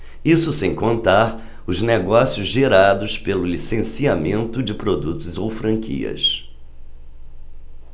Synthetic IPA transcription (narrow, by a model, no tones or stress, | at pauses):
isʊsẽj̃kõnt̪aɾ | ʊzneɡɔsiʊzʒeɾad̪ʊspelʊlisẽsiamẽnt̪ʊd͡ʒɪpɾod̪ut̪ʊzowfɾɐ̃ŋkʰḭɐ̰s